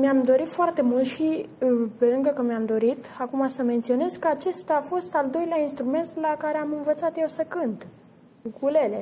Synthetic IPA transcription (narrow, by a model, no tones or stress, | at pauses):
miamd̪o̞ɾit̪foart̪e̞mult̪ʃipe̞lɨŋɡəkəmiamd̪o̞ɾit̪akumasəment̪sio̞ne̞zkəat͡ʃe̞st̪aːfo̞st̪ald̪o̞jleainst̪ɾume̞nt̪lakaɾe̞amɨnvət̪sat̪je̞wsəkɨnt̪ | kukʰule̞le